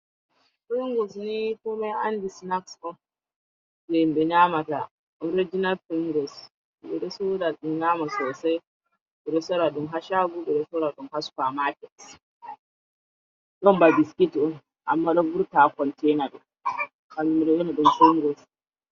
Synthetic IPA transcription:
fɛŋɡɔsnitɔmaja̰ndisnaksɔn | bɛmbɛɲamata | ʔɔɾid͡ʒinalfiŋɡɔs | bɛɗɛsudaɗumɲamasɔːsaj | bɛɗɛsɔɾaɗɔmɦaʃaɡubɛɗɛsɔɾaɗɔmhaskamakɛts | ɗɔmbabiskitɗɔn | ʔa̰mːaɗɔbuɾtakɔntɛnaɗɔ | kamimɗɛjɔnaɗɔmfuŋɡɔs

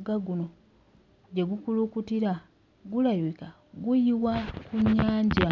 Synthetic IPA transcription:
ɡaɡuno̞ | ɟe̞ɡukulukutiɾa | ɡulajweka | ɡujiwakuɲːaːɲɟa

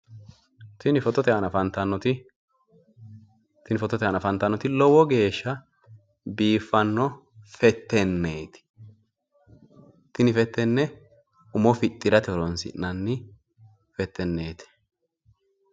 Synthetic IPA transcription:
t̪ɪnɪfɔt̪ːɔt̪ɛɐnɐfɐnt̪ɐnːɔt̪ɪ | t̪ɪnɪfɔt̪ːɔt̪ɛɐnɐfɐnt̪ːɐnːɔt̪ɪlɔwɔɡe̞ːʃːɐ | biːfːɐnːɔ | fɛt̪ːɛnːeːt̪ɪ̥ | t̪ɪnɪfɛt̪ːɛnːɛ | ʊmɔfɪt̪ʼːɪɾɐt̪ɛɔɾɔnsɪ̰ʔnɐnːɪ | fɛt̪ʰːɛnːeːt̪ɪ̥

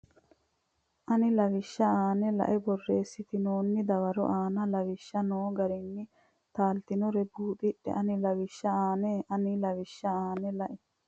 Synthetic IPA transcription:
ʔɐnɪlɐʋɪʃːɐaːnɛlɐ̰ʔɛbɔrːeːsːɪt̪ɪnoːnːɪd̪ɐwɐɾʊ̰ʔaːnɐlɐwɪʃːɐnoːɡɐɾinːɪ | t̪aːlt̪ɪnʊɾɛbuːt̪ɪɗɛ̰ʔɐnɪlɐwɪʃːɐaːneːʔɐnɪlɐwɪʃːɐaːnɛlɐʔɛ

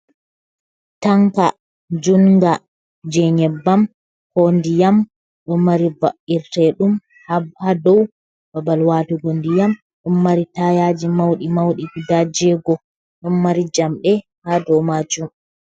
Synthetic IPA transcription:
taŋka | d͡ʒunŋɡa | d͡ʒɛɲɛbːam | kondijam | ɗɔnmaɾibaʔiɾtɛɗum | hhadɔw | babalwatuɡondijam | ɗɔnːaɾitajad͡ʒimawɗimawɗiɡidad͡ʒɛɡɔ | ɗɔnːaɾid͡ʒamɗɛ | hadɔwmad͡ʒum

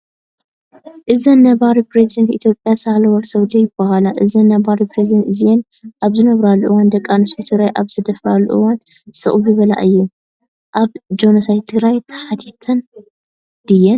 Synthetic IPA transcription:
ʔɨzɐnːɐβaɾipɾezid̪ɐnt̪it̪ʰjo̞pʼjasalwɐɾsɐwd̪ɐjɪbɐhalaʔɨzɐnːɐbaɾipɾezid̪ɐnt̪ɨzijenʔaβzɨnɐβɾalːuʔɨwand̪ɐkʼːanɐsajt̪ʰɨɡɾajʔaβzɨd̪ɐfɾalːuʔuwansɨ̰χʼzɨβɐla̰ʔɨjːɛm | ʔaβd͡ʒonɐsajt̪ʰɨɡɾajt̪ʰɐ̥ħat̪ʰit̪ʰːɐn | d̪̥ɨjːɛn

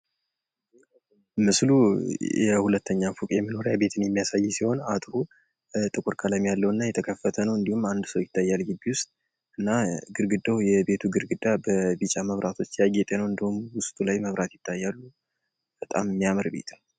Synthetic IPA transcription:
mɨslujɛhulət̪ʰːəɲːafukʼjɛmːino̞ɾjabe̞t̪ʰɨnjɛmːijasajːsiho̞nat̪ʼɾu | t̪ʼɨkʼuɾkʰʼalamjalːəwɨnːajɛt̪ʰəkʰəfːət̪ʰənəwɨnd̪ihumand̪səwjɪt̪ːajːalɡɨbiwʊst̪ʼ | ɨnːaɡɨɾɡɨd̪əwjɛbe̞t̪ʰuɡɨɾɡɨd̪abəbɨt͡ʃʼaməβɾat̪ʰo̞t͡ʃːjaɡet̪ʼenəwɨnd̪ihumwʊst̪ʼulajməβɾʔat̪jɪt̪ʰːajːalːu | b̥ət̪ʼammːijaməɾbe̞̰t̪ʰə

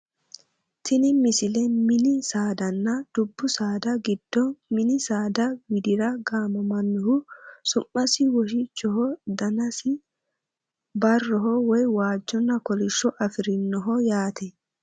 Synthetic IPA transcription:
t̪ɪnɪmɪsɪlɛmɪnɪsaːd̪ɐnːɐd̪̥ʊbːʊsaːd̪ɐɡɪd̪̥ːɔmɪnɪsaːd̪ɐwɪd̪ɪɾɐɡaːmɐmɐnːʊhʊsʊmːɐsɪwɔʃ̬ɪt͡ʃːɔɦɔd̪ɐnɐsɪ | bɐrːɔɦɔwɔjwaːd͡ʒːɔnːɐkɔlɪʃːɔʔɐfɪɾɪnːɔɦɔjaːt̪ɛ

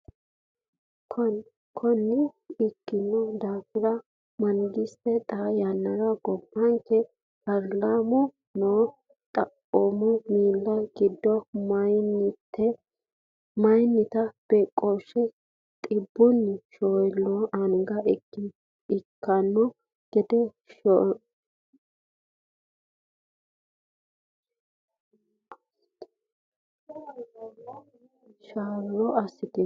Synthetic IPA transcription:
k | kʰɔnːɪɪkːɪnːɔd̪aːfɪɾɐ | mɐŋɡɪstɛt̪ʼajɐnːɐɾɐɡɔbːɐŋkːɛ | pɐɾlamɔ | noː | t̪ʼɐʔɔmɔmiːlːɐɡɪd̪ːɔmntːɛ | mɐjnːɪt̪ɐb̥ɛkʼɔʃːɛ | t̪ʼɪbːʊnʃɔjlːɔʔɐnɪɡɐɛkːɪn | ɪkːɐnːɔ | ɡ̥ɛd̪ɛ | ʃaːlːɔʔɐsːɪt̪ɪ

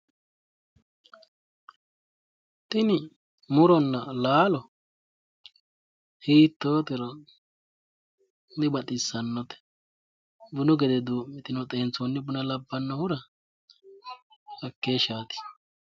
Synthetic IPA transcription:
t̪ʼɪnɪ | mʊɾɔnːɐlaːlɔ | hiːt̪ːoːt̪ɛɾɔ | mɪbɐt̪ʼɪsːɐnːɔt̪ɛ̥ | bʊnɔɡɛd̪ɛd̪uːmːɪt̪ɪnɔt̪ʼeːnt͡sonːɪbʊnɐlɐbːɐnːɔhʊɾɐ | ɐkːeːʃaːt̪ɪ̥

